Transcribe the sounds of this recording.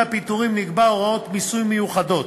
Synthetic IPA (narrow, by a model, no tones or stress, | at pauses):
apit̪uʁimnikbaoʁao̞t̪misujmejuχad̪o̞t̪